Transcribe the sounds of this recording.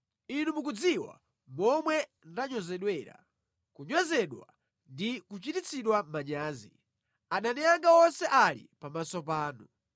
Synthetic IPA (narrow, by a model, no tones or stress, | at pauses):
inumukud͡ziwa̰ | mɔmwɛ | ndaɲɔzɛɗwɛɾa̰ | kuɲɔzɛɗwa̰ | ndikut͡ʃitit͡sʰiɗwamaɲaːzḭ | ananɛjaŋɡawɔnsɛʔalḭpamasɔpaːnu